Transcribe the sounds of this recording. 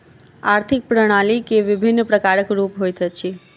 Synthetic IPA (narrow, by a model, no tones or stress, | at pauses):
aɾt̪ʰik̚pɾəɽ̃alikeʋɪbʱinːpɾəkaɾəkɾupɦojt̪ʰət͡ʃʰi